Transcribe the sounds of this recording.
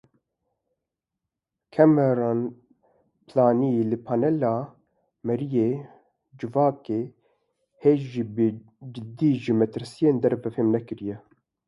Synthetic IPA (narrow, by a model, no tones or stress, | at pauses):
kʰɛmɛɾan | plaːnijelɨpʰaːnɛlɑː | mɛɾijeː | d͡ʒɨvɑːkeː | heːʒʒibɨ | d͡ʒɪd̪iːʒimɛt̪ɨɾsijeːnd̪ɛɾvɛfemnɛkɨɾijɛ